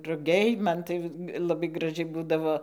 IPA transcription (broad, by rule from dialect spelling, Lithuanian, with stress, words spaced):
rʊˈɡʲɛɪ ˈmɐn tɐɪ lˠɐˈbɐɪ ɡrɐˈʒʲɛɪ ˈbuːdɐʋoː